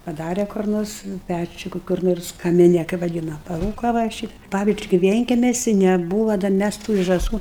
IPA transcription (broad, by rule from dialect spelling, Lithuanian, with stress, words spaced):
pɐˈdɑːrʲɛ kʊr ˈnoːrs ˈpʲæt͡ʃʲʊ ˈkʊ kʊr ˈnoːrs kɐmʲɪˈnʲɛ kɐɪ ʋɐˈdʲiːnɐ pɐˈruːkoː ʋɐ ɪ ˈʃʲɪt ˈpɑːʋʲɪzʲd͡ʒʲʊɪ kʲɪ ˈʋʲiɛŋʲkʲɛmʲɛsʲɪ nʲɛˈbuːʋɐ dɐr ˈmʲæs tuː ɪr ʒɑːˈsuː